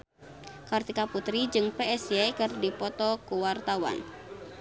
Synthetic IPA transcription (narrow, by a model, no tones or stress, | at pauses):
kart̪ikaput̪ɾid͡ʒɨŋpeɛsiakɨrdipɔt̪ɔkuwart̪awa̰n